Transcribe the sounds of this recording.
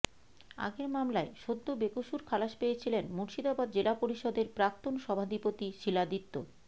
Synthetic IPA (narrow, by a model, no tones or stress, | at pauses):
a̰ɡeɾmamlaeʃod̪ːobekoʃuɾkʰalaʃpejet͡ɕʰilenmuɾʃid̪abad̪̚d͡ʑelapoɾiʃɔd̪eɾpɾak̚t̪onʃɔbʱad̪ipot̪iʃilad̪it̪ːo̰